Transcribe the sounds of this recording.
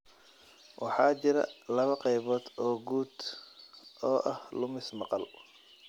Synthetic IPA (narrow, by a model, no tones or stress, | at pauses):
wʔɑ̰ħɑːt͡ʃɪɾɐ̰lɐβɐqɛjβɔːd̪ɔːɡuːd̪ | ɔːʔɐhlʊmɪsmɑqɑl